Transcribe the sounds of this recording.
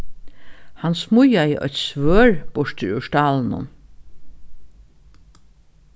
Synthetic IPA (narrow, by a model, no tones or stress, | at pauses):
hansmʊjajəʔœ̰t̪sʋøːɹb̥ʊʂt̪ɪɹʉ̰ʃt̪aːln̩ʊ̰n